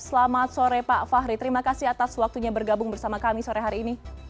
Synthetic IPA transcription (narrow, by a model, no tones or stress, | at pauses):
səlamat̪̚soɾɛpafaɦɾit̪əɾimakasiɦat̪aswak̚t̪uɲabərɡabʊŋbərsamakamisoɾeɦaɾiːni